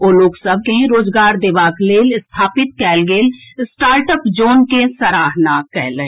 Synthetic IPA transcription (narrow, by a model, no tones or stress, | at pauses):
oːloːksəb̚kẽɾoːd͡ʒɡaːɾd̪ɪʋaːkleːlst̪ʰaːpɪt̪̚kɛːlɡeːlsʈaːɾʈəpd͡ʒoːnkesəɾaːɦnakɛ̰ːlẽ